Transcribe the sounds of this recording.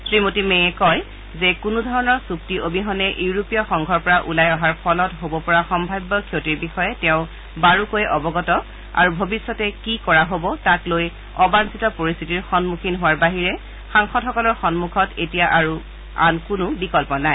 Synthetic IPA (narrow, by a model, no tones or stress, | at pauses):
sɹimotimeɛkɔj | zekunudʱɔɹɔnɔɹsup̚tiʔobiɦɔnɛʔiuɹopijɔxɔŋɡʱɔɹpɔɹaʔulajɔɦaɹpʰɔlɔtɦobɔpɔɹaxɔmbʱajbːɔkʰjotiɹbixɔjɛtɛʊ̃ | baɹukojʔɔbɔɡɔtɔ | a̰ɹubʱobisːɔtɛkikɔɹaɦobɔtakloj | ɔbansitɔpoɹist̪ʰitiɹxɔnmukʰinɦʊwaɹbaɦiɹɛ | xaŋxɔtɦɔkɔlɔɹxɔnmukʰɔtetijaʔaɹu | a̰nkunʊbikɔlpɔnaj